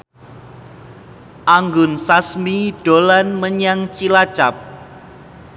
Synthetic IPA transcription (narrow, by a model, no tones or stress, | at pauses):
ʔaŋɡʊnsasmiɖ̥olanməɲaŋt͡ʃilat͡ʃap̚